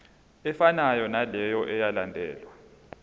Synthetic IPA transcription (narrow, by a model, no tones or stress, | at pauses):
ɛfanajɔnalɛjɔʔɛjalandʱɛ̰ːlwa